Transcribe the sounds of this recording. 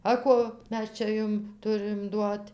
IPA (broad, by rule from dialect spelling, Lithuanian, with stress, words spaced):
ɐ ˈkoː ˈmʲɛs ˈt͡ʃʲɛ ˈjʊm ˈtʊrɨm ˈduɔtʲ